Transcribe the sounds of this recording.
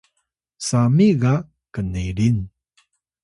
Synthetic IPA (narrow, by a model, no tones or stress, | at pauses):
samiɣa | kəniɾin